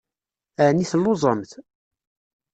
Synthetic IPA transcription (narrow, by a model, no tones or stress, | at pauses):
æniθlːozˤəmθ